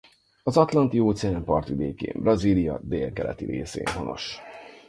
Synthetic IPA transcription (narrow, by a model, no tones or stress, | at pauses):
ɒzɒt̪lɒnt̪ioːt̪sɛaːmpɒrt̪ʋid̪eːkḛːmbrɒziːlijɒd̪eːlkɛlɛ̰t̪iɾeːsḛːnɦo̞nʔo̞̰ʃ